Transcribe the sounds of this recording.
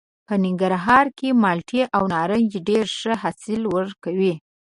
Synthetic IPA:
pənɪŋɡaɾɦɑɾkemɑlʈʰiʔawnɑɾəŋjeɖeɾʂəhasɪlwəɾkawi

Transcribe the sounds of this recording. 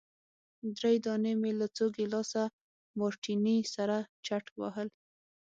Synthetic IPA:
d̪ɾejd̪ɑnemelat͡soɡelɑsa | mɑɾʈinisaɾat͡ʃaʈwa̰ɦəl

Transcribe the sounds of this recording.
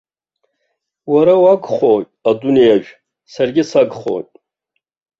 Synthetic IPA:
waɾawaɡχotʼadunijaʒᶣ | sarɡʲɪsaɡχo̰tʼ

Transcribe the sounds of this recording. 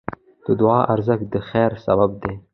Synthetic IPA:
d̪̥əd̪ʊɑːʔaɾzəkd̪əxɛːɾsabab̚d̪e

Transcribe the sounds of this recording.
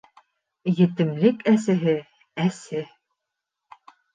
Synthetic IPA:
jɘ̆t̪ɘ̆mlɘkæsɘ̆ɦɘ | æsɘ

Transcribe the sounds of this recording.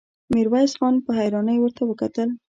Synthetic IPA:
miɾwajsxɑnpəɦajɾɑnəjwəɾt̪awəkat̪əl

